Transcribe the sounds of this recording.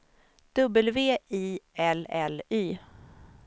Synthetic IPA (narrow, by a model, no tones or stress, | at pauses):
d̪̥ɵbːəlveːʔiːɛlɛlyː